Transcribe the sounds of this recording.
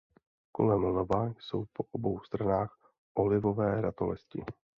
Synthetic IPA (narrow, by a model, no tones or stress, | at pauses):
ko̞̰lɛmlovajso̞̰wpo̞ʔobowst̪ɾanaːx | ʔolɪvo̞vɛːɾat̪olɛscɪ̰